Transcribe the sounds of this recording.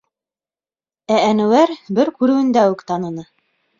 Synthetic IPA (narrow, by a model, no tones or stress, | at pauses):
æænɵ̆wæɾbɘɾkʉɾɘ̆wɘ̆nd̪æwʉkt̪ɑnɤ̆nɤ